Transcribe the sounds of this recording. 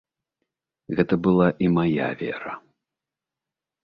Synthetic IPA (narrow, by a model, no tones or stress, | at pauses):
ɣɛt̪ɐbɨlˠaʔimaja̰vʲɛ̰ɾɐ